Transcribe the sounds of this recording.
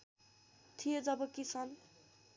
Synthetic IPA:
t̪ʰijod͡zʌbʌkit͡sʰʌn

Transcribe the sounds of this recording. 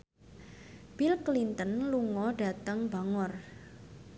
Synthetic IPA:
b̥ilklint̪ənluŋɔɖa̤t̪aŋba̤ŋɔr

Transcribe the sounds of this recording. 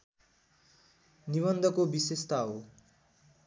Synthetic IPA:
niβʌnd̪ʱʌkobisest̪aɦo

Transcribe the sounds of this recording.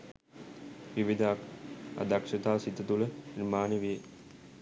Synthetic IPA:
ʋiʋid̪ʱaːka̰d̪akʂɐt̪aːsit̪ːɐt̪uləinmaːniʋije

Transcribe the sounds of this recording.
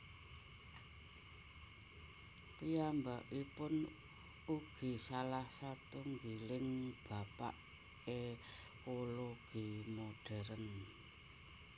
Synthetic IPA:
pijambaʔipʊn | uɡ̥i̤salahsat̪uŋɡilɪŋb̥a̤paʔ | e | koloɡ̥imoɖ̥ɛ̤ɾən

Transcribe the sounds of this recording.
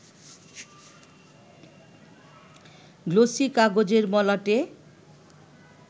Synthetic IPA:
ɡlosikaɡod͡ʑeɾmɔlaʈe

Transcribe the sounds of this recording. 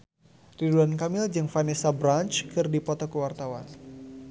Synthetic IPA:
riduankamɪld͡ʒɨŋfanesabɾant͡ʃkɨrdipɔt̪ɔkəwart̪awan

